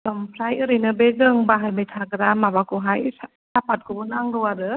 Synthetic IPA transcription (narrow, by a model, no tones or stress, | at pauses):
sɔmpʰɾajɯɾɯjnɯbeɡɯŋbaɦajmɯjtʰaɡɾamaβakuɦaj | sapʰat̚kʰuunaŋɡɯwaɾɯ